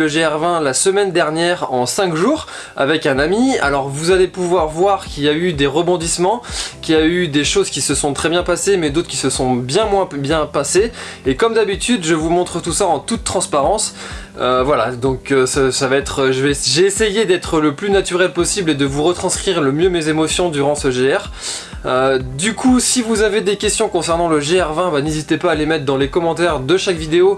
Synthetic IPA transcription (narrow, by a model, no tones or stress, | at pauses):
əʒeɛʁvɛ̃lasəmɛnd̪ɛʁnjɛʁɑ̃sɛ̃kʒuːʁ | a̰vɛkɛ̃namia̰lɔʁvuzalepuvwaʁvwaʁkʲiljayd̪eʁəbɔ̃d̪ismɑ̃kʲijayd̪eʃozkʲisəsɔ̃t̪χɛbjɛ̃pasemɛd̪ot̪χəkisəsɔ̃bjɛ̃mwɛ̃bjɛ̃pase | ekɔmd̪abit̪yd̪ʒəvumɔ̃t̪χət̪usaɑ̃t̪ut̪ːχɑ̃spaʁɑ̃s | øvwalad̪ɔ̃køssavaɛt̪χəʒəvɛʒeːsejed̪ɛt̪χələplynat̪yʁɛlpɔsibled̪əvuʁət̪χɑ̃skχiʁləmjømezemɔsjɔ̃d̪yʁɑ̃səʒeɛʁ | ød̪ykʰusivuzaved̪ekʲɛst̪jɔ̃kɔ̃sɛʁnɑ̃ləʒeɛʁvɛ̃banezit̪epaːlemɛt̪χd̪ɑ̃lekɔmɑ̃t̪ɛʁd̪əʃakvid̪eo